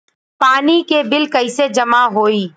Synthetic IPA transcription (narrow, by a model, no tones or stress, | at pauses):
paːnikebɪlkɐɪsed͡ʒɐmaɦoːiː